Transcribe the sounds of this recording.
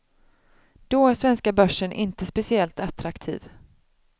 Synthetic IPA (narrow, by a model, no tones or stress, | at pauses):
d̪̥ɔæʂvɛnskabœʂːənʔɪ̰nt̪əspɛsɪɛlt̪at̪ɾakt̪ʰḭːv